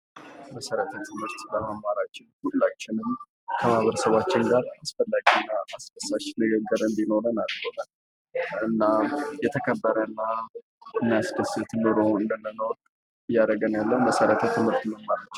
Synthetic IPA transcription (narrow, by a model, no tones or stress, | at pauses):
məsəɾət̪ʰət̪ʰɨmhɨɾt̪ləməmːaɾat͡ʃːɪnhulːat͡ʃːɪnɨm | kʰəmaβəɾəsəβat͡ʃːɪnɡaɾasfəlːaɡiɨnːaasd̪əsːaʃnɨɡəɡːɨɾɨnd̪ino̞ɾənalt͡ʃəwnən | ɨnːajɛt̪ʰəkʰəbːəɾənːa | ɨnːijasd̪əsɨt̪ʰɨmɨɾoɨnd̪ənːənəwɔkʼ | ɨjːad̪əɡənjalːəwməsəɾət̪ʰət̪ʰɨmhɨɾt̪məmːaɾat͡ʃːɛ